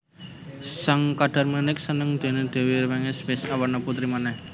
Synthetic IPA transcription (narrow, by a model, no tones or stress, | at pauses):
saŋkaɖ̥a̤rmənɪk̚sənəŋd̪̥e̤ned̪̥e̤wiɾəwɛŋɛspɪsawərnaput̪ɾimanɛh